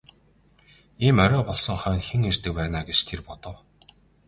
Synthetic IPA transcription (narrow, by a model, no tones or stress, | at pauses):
iːmœɾʲœːpɔɮsɞ̆ŋχœːnxeŋert̪ɘ̆k̚pæːnaːɡet͡ɕt̪ʰerpɔt̪ɞ̆w